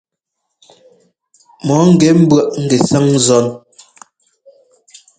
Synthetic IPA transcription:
mɔ˨˦ŋ̩˦˨ɡɛ˨˦m̩˦bwɰa˦˨ʔŋ̩˦ɡɛ˨sa˦ŋzɔ˦n

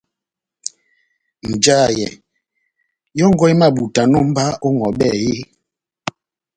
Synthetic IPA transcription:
n̩˨d͡ʒaː˦˨jɛ̰˨ | jɔ˦ŋ˦ɡɔ˦i˦ma˦˨ɓu˨ta˨nɔ˦m̩˦ba˦o˦ŋɔ˨ɓɛ˦˨je˦

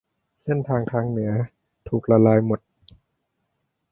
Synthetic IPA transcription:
se˥˩nt̪ʰaː˧ŋt̪ʰaː˧ŋnɯ˩˦ɐ | t̪ʰuː˨˩k̚ɾa˧laː˧jmo˨˩t̪̚

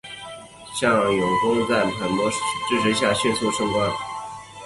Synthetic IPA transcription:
ɕjɑ˥˩ŋjʊ˨˩ŋkʊ˥ŋt͡sa˥˩ɪpʰa˧˥nmwɔ˧˥ʈ͡ʂɻ̩˥˧ʂ̩ʰ˧˥ɕ̬ja˥˩ɕɥɛ˥˧t͡sʰu˥˧ʂɤ˥˧ŋtwa˥˩n

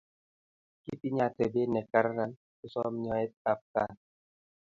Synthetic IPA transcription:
ki˦pi˦ɲa˦˨tɛ˨be˦nɛ˨ka˦ɾa˦ɾa˦n | u˦sɔ˦m˦ɲɔ˨ɛ˦ta˨p̚ka̰˦

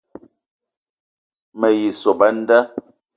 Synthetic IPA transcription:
mə˨ji˨so˨ba˦n̩˦də˦

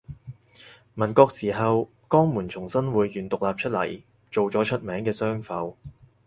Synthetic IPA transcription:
mɐ˨˩nkɔː˧k̚siː˨˩ɦɐ˨w | kɔː˥ŋmuː˨˩nt͡sʰʊ˨˩ŋsɐ˥nwuː˨˧jːyː˨˧nt̪ʊ˨k̚laː˨p̚t͡ʃʰɵ˥t̚lɐ̰˨˩j | t͡ʃo˨wt͡sɔː˨˥t͡ʃʰɵ˥t̚mɛː˨˥ŋkɛː˧sœː˥ŋfɐ˨˧w

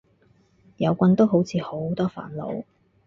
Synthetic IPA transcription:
jɐ˨˧wkʷɐ˧nt̪o˥wɦo˨˥wt͡sʰiː˨˧ho˨˥wt̪ɔː˥fa̰ː˨˥nlo̰˨˧˥w

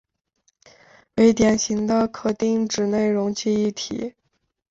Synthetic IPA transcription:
we˧˥ɪt̪jɛ˨˩nɕi˧˥ŋd̪ə˧kʰɤ˨˩t̪i˥˧ŋʈ͡ʂɻ̩˨˩ne˥˩ɪɻʊ˧˥ŋt͡ɕʰi˥˧i˥˩t̪ʰḭ˨˩˦

